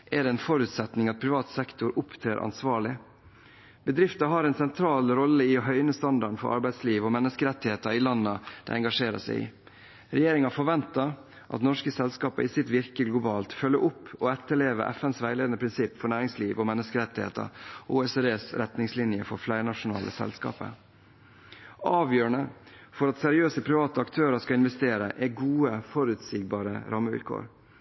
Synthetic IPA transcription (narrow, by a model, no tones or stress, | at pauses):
ʔɛd̪ɛɛnfɔɾʉːt̪sɛt̪nɪŋɑt̪̚pʰɾɪʋɑːt̪sɛkt̪ʊɾʊpt̪ʰɾeːɾʔɑ̰nsʋɑːɭɪ | b̥əd̪ɾɪft̪ɑɦɑɾɛɪnsɛnt̪ʰɾɑːlɾɔlːəɪoɦœʏnəst̪ɑnd̪ɑɳ̩fɔ̰ɾʔɑ̰ɾbæɪd̪sliːʋɔmɛnːəskəɾɛt̪ːɪheːt̪ɑɪlɑnːəd̪̥ɛ̰ɛŋɡɑʂeːɾə̰sæ̰ɪɪ̰ | ɾɛjeːɾɪŋɑfɔɾʋɛnt̪ɑɾ | ʔɑ̰t̪nɔʂkəsɛlskɑːpə̰ʔɪsɪt̪ʋɪɾkəɡlʊbɑːlt̪fœlːəʔʊpːɔɛt̪ːəɭeːʋə̰ʔæ̰fɛnsʋæɪleːd̪ənəpʰɾɪnsɪpːfɔɳæːɾɪŋsliːʋɔmɛnːəskəɾɛt̪ːɪhḛːt̪ə̰uːesɛd̪eːsɾɛt̪nɪŋslɪnjəfɔɾflæɪɾɳɑʂʊnɑ̰ːlʔə̰sɛ̰lskɑ̰ːpə̰ | ɑːʋjøːɾɳə | fɔɾɑt̪sɛɾɪøːsəpʰɾɪʋɑːt̪əɑkt̪ʰøːɾəskɑɪnʋɛst̪eːɾə̰ʔɛɡuːəfɔɾʉt̪siːɡ̚bɑːɾəɾɑːməʋɪ̰lkʰo̰ːɾ